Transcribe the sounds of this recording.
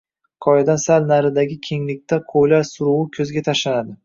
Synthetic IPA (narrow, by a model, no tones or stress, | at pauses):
qʰɒjad̪ansalnaɾɪd̪aɡʲɪkʲʰe̞ŋlɪk̚ʲt̪ʰaqʰojlaɾsʊɾuwɪkʲʰɵzɡʲat̪ʰaʃlanad̪ɪ